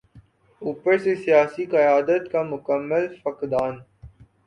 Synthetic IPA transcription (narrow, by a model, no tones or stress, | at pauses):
uːpəɾsesijaːsiqɐjaːd̪ət̪kamʊkəmːəlfɐkd̪aːn